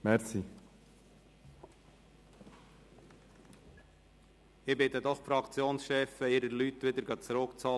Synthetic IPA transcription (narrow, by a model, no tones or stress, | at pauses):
mɛɾsi | ɪbɪt̪əd̪ɔχfɾɑkt͡sjoːnsʃɛfəɪɾəɾlyt̪ʋɪd̪əɾɡɑt͡sɾʊkt͡sɑ